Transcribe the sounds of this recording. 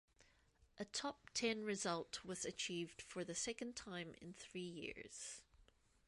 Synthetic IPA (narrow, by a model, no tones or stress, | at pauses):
ʔətʰɔp̚tʰɛ̃nɹɪzʌlˠʔwʌz̥ɨt͡ʃʰiːvd̥fə˞ðəsɛkə̃ntʰãɪ̃mɪ̰̃nθɹiːjḭɹz̥